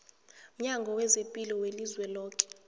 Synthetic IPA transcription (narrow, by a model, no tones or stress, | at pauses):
m̩ɲaŋɡʱɔwɛzepʼilɔwelizwɛlɔːkʼɛ̥